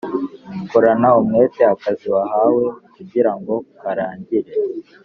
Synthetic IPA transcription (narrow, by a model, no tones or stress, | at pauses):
mukoɾanaumŋe̞ːteakaziwaɦaːwe̞kuɟiɾaŋɡo̞kaɾaːɲɟiɾe